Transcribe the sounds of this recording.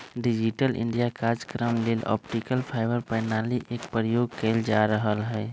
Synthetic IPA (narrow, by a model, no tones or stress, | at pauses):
ɖɪd͡ʒiʈəlʔɪ̰̃ɳɖijakad͡ʒkɾəmleːlɔ̰ːpʈikəlpʰaːɪbəɾpɛːnaliʔeːkpɾəjoːɡ̚keld͡ʒaɾəɦəlɦɛː